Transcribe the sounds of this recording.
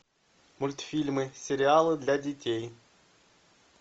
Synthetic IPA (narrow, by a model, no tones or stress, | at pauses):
mʊlʲt̪fʲilʲmɪsʲeɾʲɪalˠɪd̪lʲɐdʲitʲɛj